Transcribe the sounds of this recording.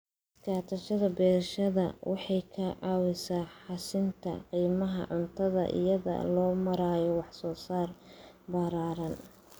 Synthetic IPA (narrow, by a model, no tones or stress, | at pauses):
ɪskʰaːt̪ʰɐʃɐðɐbɛːɾʃɐðɐ̰wʔɑħɑjkʰɐʕɑːwɪsaːħɑsɪnt̪ʰɐ̰qiːmɐɦɐ̰ʕʊnt̪ʰɐðɐ̰ʔɪ̰jɐðɐ̰lɔːmɐɾaːjɔwɑħsɔːsaːr | baɾaːɾɐn